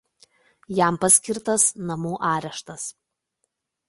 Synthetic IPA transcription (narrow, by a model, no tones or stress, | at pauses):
jæˑmpɐsʲkʲɪɾt̪ɐsnɐmuːʔɑːɾʲɛʃt̪ɐs